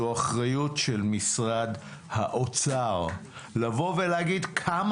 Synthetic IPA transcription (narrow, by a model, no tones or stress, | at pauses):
uaχʁajutʃelmisʁad̪ | haʔot͡saʁ | lavo̞veleaɡid̪kʰam